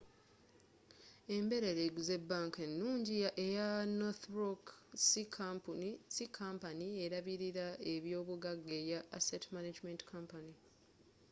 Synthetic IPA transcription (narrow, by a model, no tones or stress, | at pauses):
e̞mbe̞ɾe̞ɾeɡuze̞bːaːŋkenːuːɲɟiejanoθɾoksikʰampunisikʰampanie̞ɾaβiɾiɾae̞βjo̞ːβuɡaɡːe̞jaːsetmanad͡ʒmentkʰampani